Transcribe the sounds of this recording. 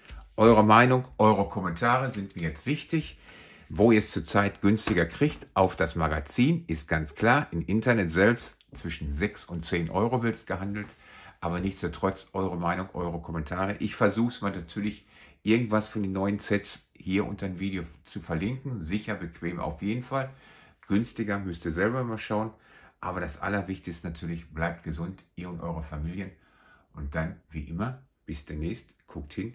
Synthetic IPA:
ʔɔʏʁəmaɪnʊŋʔɔʏʁəkʰɔmɛntʰaːʁəzɪntmiːɐjɛt͡stv̥ɪçtɪç | voːiːɐst͡suːɐt͡saɪtɡ̥ʏnstɪɡɐkʁ̥içtʔaʊfd̥asmaɡat͡siːnɪst̚ɡ̥ant͡skl̥aːɐʔɪmʔɪntɐnɛtz̥ɛlpst | t͡sv̥ɪʃn̩zɛksʊntt͡seːnʔɔ̰ʏʁovɪɐtsɡ̥əɦandl̩tʔaːbɐnɪçt͡sstotʁ̥ɔt͡sʔɔʏʁəmaɪnʊŋʔɔ̰ʏʁəkʰɔmɛntʰaːʁ̞əʔɪçfɛɐzuːxsmaːlnatʰyːɐlɪç | ʔɪɐɡŋ̩tv̥asfɔndeːnɔʏənt͡sɛts | hiːɐʔʊ̰ntʰɐdnviːdeoːt͡sufɛɐlɪŋkŋ̩zɪçɐbəkʰv̥eːmʔa̰ʊfjeːdn̩falɡ̥ʏnstɪɡɐmʏstiːɐzɛlbɐmaːlʃaʊənʔa̰ːbɐɾasʔa̰lɐvɪçtɪçstənatʰyːɐlɪçb̥laɪp̚t̚ɡ̥əzʊntʔiːɐʊntʔɔʏʁəfamiːljən | ʔʊnt̚d̥anviːʔɪmɐb̥ɪsd̥eːnɛːçstkʰʊk̚thɪn

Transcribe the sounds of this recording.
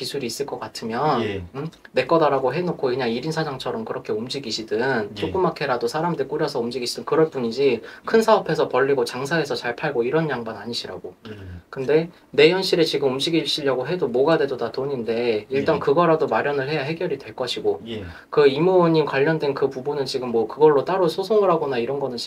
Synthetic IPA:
kisʰuɾiːs͈ɯɭk͈ʌk͈atʰɯmjʌnː | e̞k͈ʌdaɾaɡoɦe̞nokʰokɯɲaŋiɾinsʰad͡ʑaŋt͡ɕʰʌɾʌmkɯɾʌkʰe̞umd͡ʑiɡiɕʰidɯnnt͡ɕʰoɡumakʰe̞ɾadosʰaɾamdɯik͈uɾjʌsʰʌumd͡ʑiɡiɕʰidɯnkɯɾʌɭp͈uɲid͡ʑikʰɯnsʰaʌpʰe̞sʰʌpʌʎːiɡot͡ɕaŋsʰae̞sʰʌt͡ɕaɭpʰaɭɡoiɾʌnjaŋbʌnaɲiɕʰiɾa̰ɡokɯnde̞ | ne̞jʌnɕʰiɾe̞t͡ɕiɡɯmumd͡ʑiɡiɕ͈ʰiʎjʌɡoɦe̞domoɡadwe̞dodatoɲinde̞iɭt͈ankɯɡʌɾadomaɾjʌnɯɭɦe̞jaɦe̞ɡjʌɾidweɭk͈ʌɕʰiɡo | kɯimoɲimkwaʎːʌndwe̞nkɯpubunɯnt͡ɕiɡɯmːwʌkɯɡʌɭːot͈aɾosʰosʰoŋɯɾɦaɡonaiɾʌnɡʌnɯn

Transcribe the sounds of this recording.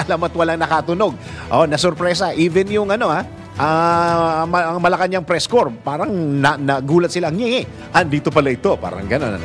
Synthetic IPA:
ɐlamɐt̪̚wɐlaŋnɐkat̪ʊno̞ɡ̚ʔonɐsoɾpɾɛsɐʔiːvɛnjʊŋʔɐno̞ʔa | ʔɐ | mɐɐŋmɐlɐkɐɲaŋpɾɛskoɹpaːɾɐŋnɐnɐɡuːlɐt̪̚sɪlaŋjɛŋɛ | ʔɐnd̪iːt̪opɐlɐɪt̪o̞pa̰ːɾɐ̰ŋɡɐno̞̰n̰

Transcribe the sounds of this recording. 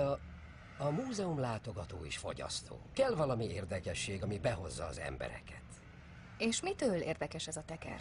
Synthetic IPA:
ɒmuːzɛumlaːt̪o̞ɡɒt̪o̰ːiʃfo̞̰ɟɒ̰st̪ʰo̰ːkɛlvɒlɒmieːrd̪ɛkɛʃːeːɡɒmibɛɦo̞zːɒːzɛ̰mbɛ̰ɾɛ̰kɛt̪ | eːʃmit̪øːleːrd̪ɛkɛʃɛzɒt̪ɛkɛ̰r

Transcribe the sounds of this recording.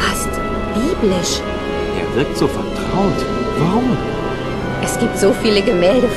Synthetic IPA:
ast | b̥iːblɪʃ | ʔeːɐvɪɐk̚tz̥oːfɛɐtʁ̥aʊt | vaʁʊm | ʔɛsɡ̥iːp̚tz̥oːfiːləɡəmɛːldə

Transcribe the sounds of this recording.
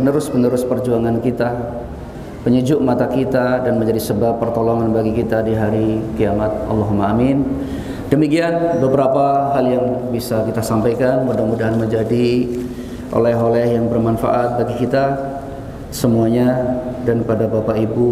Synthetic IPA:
ənəɾʊspənəɾʊspərd͡ʒuaŋankit̪a | pəɲəd͡ʒʊʔmat̪akit̪adanməɲd͡ʒadisəbapːərt̪oloŋanbaɡikit̪adiɦaɾikiamat̪̚a̰lːɑɦumaːmɪn | dəmikianbəbəɾapaɦaljaŋbisakit̪asampajkanmudahmudaɦanməɲd͡ʒadi | ʔo̰lɛɦolɛhjaŋbərmanfa̰ʔat̪̚baɡikit̪a | səmuaɲadanpadabapaibu

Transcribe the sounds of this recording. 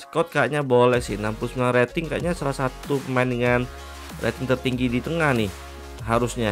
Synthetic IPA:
sə̥kɔt̪̚kaʔɲabolɛhsɪhnampʊsməaret̪ɪŋka̰ʔɲasalahsat̪upəmaɪndəŋan | rḛt̪ɪŋt̪ərt̪iŋɡidit̪əŋahnɪh | ɦaɾusɲa

